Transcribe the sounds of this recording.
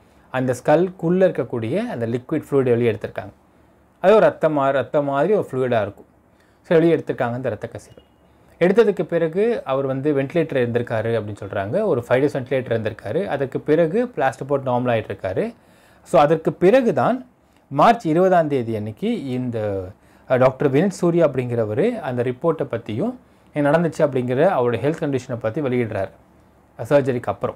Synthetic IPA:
ɐnd̪ɐskɐlkulːɪɾɯkːɐkːuːɽɪjɐɐnd̪ɐlɪkʋɪɖfɭuːɪɽɛɭɪjɛɽɯt̪ːɯɾɯkːa̰ːŋɡɐ | ɐðɯɔɾɯɐt̪ːɐmaːɾɐt̪ːɐmaːðɾiɔɾɯfluːɪɽaːɪɾɯkːɯ̥̃ | sɭɪɛɽɯt̪ːɯɾɯkːaːŋɡɐnd̪ɐɾɐt̪ːɐkːɐsɪɾɐ | ɛɽɯt̪ːɐðɯkːɯpɪɾɐɣɯɐʋɐɾʋɐnd̪ɯʋɛɳʈɪleːʈɐɾɪɾɯnd̪ɪɾɯkːaːɾɯɐpːɐɽɪnːɯsɔlɾa̰ːŋɡɐɔɾɯfɐɪɽɐsʋɛɳʈɪleːʈɐɾɪɾɯnd̪ɪɾɯkːaːɾɯʔɐ̰ðɐrkːɯpɪɾɐɣɯpɭaːsʈɐp̬oːʈnaːɾmɐlaːɣɪʈːɪɾɯkːaːɾɯ | soːɐðɐrkɯpɪɾɐɣɯt̪aːn | maːɾt͡ʃɪɾɯbɐðaːnd̪eːðiɛnːɪkːɯɪnd̪ɐ | ɖaːk̚ʈɐɾʋɪnɪʈsuːɾɪjaːɐpːɐɽɪŋɡɪɾɐʋɐɾɯɐnd̪ɐɾɪpːoːɾʈːɛpːɐt̪ːɪjʊ̃ | nɐɽɐnd̪ɯt͡ʃːɯɐp̬ːɐɽɪŋɡɪɾɐɐʋɐɾɯɽɐjɐɦɛlt̪ʰkɐɳɖɪʂɐnɛpːɐt̪ːiʋɐɭɪɣɪʈːɾa̰ːɾ | sɐːɾd͡ʒɐɾikːɯɐpːɯɾɔ̰̃

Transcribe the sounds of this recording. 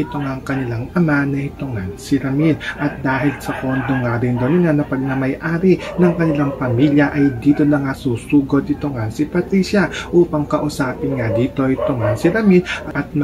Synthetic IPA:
ɪt̪oŋaŋkɐnɪlaŋʔɐmanɐʔɪt̪oŋansɪɾɐminʔɐt̪̚d̪aːɦɪlsɐkond̪oŋaɾɪnd̪onɪŋanɐpɐɡ̚nɐmɐjʔaːɾinɐŋkɐnɪlaŋpɐmiljɐʔɐjd̪iːt̪o̞nɐŋasuːsuːɡo̞d̪ɪt̪oŋansɪpɐt̪ɾiːsjɐʔuːpɐŋkɐʔʊsaːpɪnŋad̪iːt̪o̞ʔɪt̪oŋansɪɾɐminʔɐʔɐt̪̚mɐ

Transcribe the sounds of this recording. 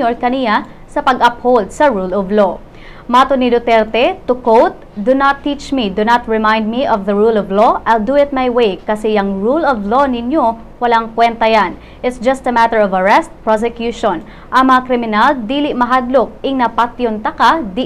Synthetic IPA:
oɹkɐnɪja | sɐpɐɡʔɐphold̪̚sɐɹulɔvlo | maːt̪onid̪ot̪ɛɾt̪ɛt̪ʊkowt̪̚d̪ʊnat̪ːit͡ʃmid̪ʊnat̪ɹɪmaj̃nd̪̚miʔɔvðɐɹulɔvloʔajld̪uɪt̪̚majwejkɐsɛjɐŋɹulɔvlonɪnjo̞ | wɐlaŋkwɛnt̪ɐjan | ʔɪt̪sd͡ʒɐst̪ɐmat̪əɹɔvɐɹɛst̪̚pɹos̬ɛkjuʃõn | ʔɐŋmɐŋakɾɪmɪnald̪iːlɪʔmɐɦad̪lok̚ɪŋnɐpat̪jont̪ɐkad̪i

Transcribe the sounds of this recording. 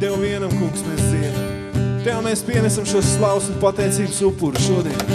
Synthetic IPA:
t̪ɛwviɛnamkuːksmeszin | t̪ɛameːspiɛnɛsamʃuɔsːlˠɑwsunpat̪ɛjt̪siːbsupːuɾusʃuɔd̪iɛnʲ

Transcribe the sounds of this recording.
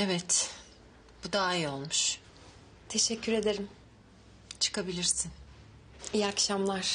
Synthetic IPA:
evɛt̪ | b̥ud̪aːio̞lˠmuʃ | t̪ʰe̞ʃɛcʰːyɾe̞d̪e̞ɾim | t͡ʃʰɯ̥kʰabilʲiɾsin | ijakʃamlˠaɾ̥

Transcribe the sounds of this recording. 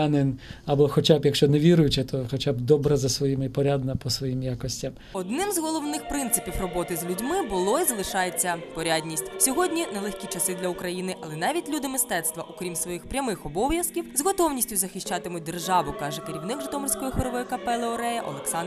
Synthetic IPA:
anɪnɐbɔxɔt͡ʃabjɐkʃt͡ʃɔnɛʋʲiɾʊjʊt͡ʃɛt̪ʰɔxɔt͡ʃabd̪ɔbɾɐzɐsʋɔjimɪpɔɾʲad̪nɐpɔsʋɔjimjakɔsʲtʲɐm | ɔd̪nɪmzɦɔlˠɔwnɪxpɾɪnt̪sɪpʲiwrɔbɔt̪ɪzlʲudʲmɪbʊlˠɔizɐlˠɪʃɑjet͡sʲːɐpɔɾʲadʲnʲisʲtʲsʲɔɦɔdʲnʲinɛlˠɛxʲkʲit͡ʃɐsɪd̪lʲɐukɾɐjinɪʔɐlˠɛnɑʋʲitʲlʲud̪ɪmɪst̪ɛt̪st̪ʋɐʔɔkɾʲimsʋɔjixpɾʲɐmɪxɔbɔwjɐskʲiwzɦɔt̪ɔwnʲisʲtʲjʊzɐxɪʃt͡ʃɑt̪ɪmʊt̚ʲd̪erʒɑʋʊkɑʒɛkɪɾʲiwnɪkʒɪt̪ɔmɔrʲsʲkɔjixʋɪɾɔʋɔjikɐpɛlˠɪɔɾɛjɐʔɔ̰lˠɛksɑn

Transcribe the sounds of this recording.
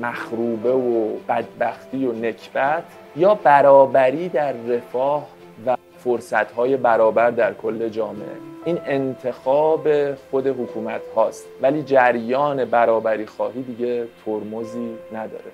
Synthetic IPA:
mæxɾuːbe̞vob̥æd̪̚bæxt̪iːjone̞cʰb̥æt̪ʰ | jɒːbæɾɒːbæɾiːd̪æɾːe̞fɒːh | væ | foɾsæt̪hɒːje̞bæɾɒːbæɾd̪æɾkʰo̞lːe̞d͡ʒɒːme̞̰ʔḛʔiːne̞nt̪ʰe̞xɒːbe̞xo̞d̪e̞ɦokʰuːmæt̪hɒːst̪væliːd͡ʒæɾjɒːne̞bæɾɒːbæɾiːxɒːɦiːd̪iːɟe̞t̪ʰoɾmoziːnæd̪ɒ̰ːɾe̞

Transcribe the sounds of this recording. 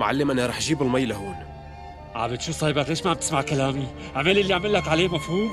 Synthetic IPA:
ʕa̰lːɪmʔɪnːiɾˤɑːħʒiːbɪlmajːlaɦoːn | ʕa̰bɪt̪ʃuːfsˤɑjbakleːʃmaʕab̚t̪ɪ̥smaʕkalaːmi | ʔaʕmalʔɪlːiaʕmɪlːakʕaleːmafhuːm

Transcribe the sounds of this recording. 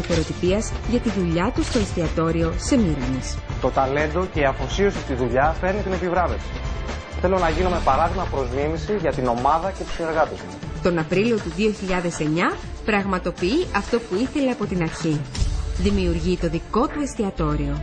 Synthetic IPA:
ɐθeɾo̞t̪ipiɐzʝɐt̪iðuʎɐt̪ust̪o̞est̪iɐt̪o̞ɾio̞se̞miɾɐnist̪o̞t̪ɐle̞nd̪o̞ce̞iɐfo̞sio̞sit̪iðuʎɐfe̞ɾnit̪ine̞pivɾɐve̞fsi̥ | θe̞lo̞nɐʝinome̞pɐɾɐðimɐpɾo̞zmimisiʝɐt̪ino̞mɐðɐce̞t̪u̥sine̞ɾɣɐt̪est̪u̥s | t̪o̞nɐpɾilio̞t̪uðio̞çiʎɐðe̞se̞ɲɐ | pɾɐɣmɐt̪o̞piiʔɐft̪o̞puiθe̞lɐɐpo̞t̪inɐɾçiðimiuɾʝit̪o̞ðiko̞t̪uest̪iɐt̪o̞ɾio̞

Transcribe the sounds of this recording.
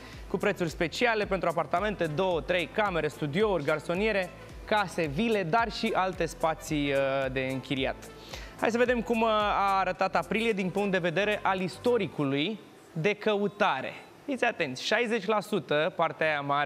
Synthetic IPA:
kupɾe̞t̪surʲspe̞t͡ʃiale̞pent̪ɾuapart̪ame̞nt̪e̞d̪o̞wət̪ɾe̞jkame̞ɾe̞st̪ud̪io̞urʲɡarso̞nie̞ɾe̞ | kase̞vile̞d̪arʃiʔalt̪e̞spat̪sid̪e̞ɨŋkʲiɾia̰t̪ | ha̰jsəve̞d̪e̞mkumaːɾət̪at̪apɾilije̞d̪inpuŋkt̪d̪e̞ve̞d̪e̞ɾe̞ʔalist̪o̞ɾikuluj | d̪e̞kəut̪aɾḛ | fit̪sʲat̪e̞nt̪sʲʃajze̞t͡ʃʲlasut̪əpart̪eajama

